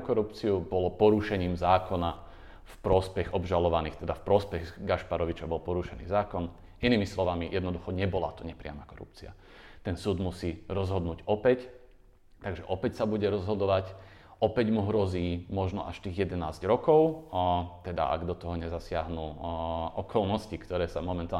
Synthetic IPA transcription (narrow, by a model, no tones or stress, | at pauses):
kɔɾupt͡siubɔlɔpɔɾuʃɛɲiːmzaːkɔna | fpɾɔspɛɣɔbʒalɔʋanḭːxt̪ɛd̪afpɾɔspɛɣɡaʃpaɾɔʋit͡ʃabɔlpɔɾuʃɛnḭːzaːkɔn | iniːmislɔʋamijʔɛd̪nɔd̪uxɔɲɛbɔla̰t̪ɔɲɛpɾɪa̰makɔɾṵp̚t͡sḭa̰ | t̪ɛnsuːd̪musiːɾɔzɦɔd̪nuːɟɔpɛc | t̪aɡʒɛʔɔpɛcsabuɟɛɾɔzɦɔd̪ɔʋac | ɔpɛɟmuɦɾɔziːmɔʒnɔ̰ʔaʃt̪iːɣjɛd̪ɛnaːzɟɾɔkɔʊt̪ɛd̪a̰ʔa̰ɡd̪ɔt̪ɔɦɔɲɛzasɪaɦnuːʔɔkʰɔlnɔscikt̪ɔɾɛːsamɔmɛnt̪a